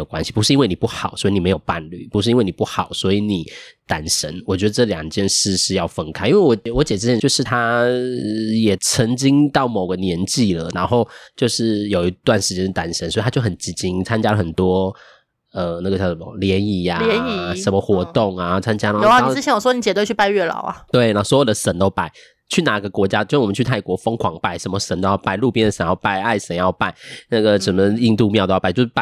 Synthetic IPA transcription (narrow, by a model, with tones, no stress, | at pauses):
ə˨˩kwa˦nɕi˨˩pu˧˥ʂɻ̩˥˩i˥nwe˥˩ni˨˩pu˥˩xɑ˨˩˦ʊswi˧˥ni˨˩e˧ɪjo˨˩ʊpa˥˧nly˥˩pu˧˥ʂɻ̩˥i˥we˥˩ni˨˩pu˥˩xɑ˨˩ʊswɔ˧˥i˧˥ni˨˩˦t̪a˨˩nʂə˧˥nwɔ˨˩t͡ɕɥɛ˧˥d̪ə˧ʈ͡ʂɤ˥˩ljɑ˨˩ŋt͡ɕjɛ˥˧nʂɻ̩˥˧ʂɻ̩˥˧jɑ˥˩ʊfə˥ŋkʰa˥ɪʔi˥nwe˥˩wɔ˧˥t͡ɕwɔ˧˥t͡ɕjɛ˨˩˧jɛ˥t͡ɕjo˥˧ʊʂɻ̩˥˩t̪ʰa˥ | jɛ˨˩t͡sʰə˧˦˥ŋt͡ɕi˥ŋt̪ɑ˥˩ʊmo˨˩ʊɡə˦njɛ˧˥nt͡ɕi˥˩lə̰˩ɻa˧˥nxo˥˧ʊt͡ɕjo˥˧ʊʂɻ̩˥˩jo˨˩ʊi˧˥t̪wa˥˧nʂɻ̩˥˩t͡ɕjɛ˧˥n̩˥˩t̪a˨˩nʂə˥nsɔ˧˥˨jo˥˩xə˨˩nt͡ɕi˧˥t͡ɕi˦˥ŋt͡sʰa˥nt͡ɕja˥lə˨˩xə˨˩nt̪wɔ˥ | ə˨˩na˥˩ɡə˩t͡ɕjɑ˥˩ʊʂə˨˩mə̰˧ljɛ˨˧˦ni˨˩a˩˧˦ʂə˧˥nmə˧xwɔ˧˥t̪ʊ˥˨˩ŋa˨˩t͡sʰa˥nt͡ɕja˥na˧˥o˧˥˦a˥˩n˥˨˧ɻ̩ʰ˥˩jɛ˥wɔ˨˩wɔ˥ni˨˩t͡ɕɛ˨˩t̪wt͡ɕʰy˥˩pa˥˧ɪɥɛ˥˩lɑ̰˨˩˦ʊa̰˨t̪we˥˩ɪna˧˥swɔ˧˥jo˨˩d̪ə˧ʂə˨˥nt̪o˥ʊpa˥˩ɪ | t͡ɕʰy˥˩na˨˩˦ɡə˧kwɔ˧˥t͡ɕja˦˥t͡ɕjo˥˧˥m˨˦t͡ɕʰy˥˧t̪ʰa˥˩ɪkwɔ˧˥fɤ˥ŋkʰwɑ˨˥ŋpa˥˩ɪʂə˧˥mə˧ʂə˨˧˥nt̪o˥ʊjɑ˥˧pa˥˩ɪlu˥˩pjɛ˥nd̪ə˨ʂə˨˧˦njɑ˥˧ʊpa˥˩ɪa˥˩ɪʂə˧˥njɑ˥˧ʊpa˥˧ɪna˥˩ɡə˩ʂə˨˩nmə˧˦i˥˧ŋt̪u˥˧mjɑ˥˧˥t͡ɕo˥˧ʊʂa˥˨